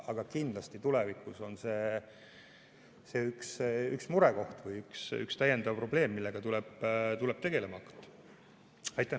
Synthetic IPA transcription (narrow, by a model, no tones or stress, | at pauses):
ɑɡ̥ɑkind̪̥lɑst̪it̪ulɛvikuso̞nse̞ː | se̞ːyksyksmuɾɛko̞ht̪vɯjyksy̰kst̪æjend̪̥ɑvpro̞ble̞ːmːilːeɡ̥ɑt̪ulɛb̥t̪ulɛb̥̚t̪e̞ɡ̥e̞lemɑɑkt̪ːˑ | ɑjt̪ːˑæ